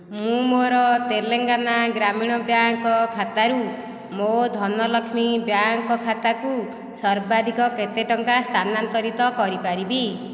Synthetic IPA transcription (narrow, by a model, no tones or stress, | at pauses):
mũmoɾɔt̪eleŋɡanaɡɾamiɽ̃ɔbjaŋkɔkʰat̪aɾu | mod̪ʱɔnɔlɔkʰmibjaŋkɔkʰat̪aku | sɔɾbad̪ʱikɔket̪eʈɔŋkast̪ʰanant̪ɔɾit̪ɔkɔɾipaɾibi